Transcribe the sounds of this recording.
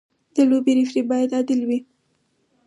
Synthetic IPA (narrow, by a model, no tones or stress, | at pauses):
d̪̥əlobeɾifɾibɑjad̪ɑd̪ɪlwi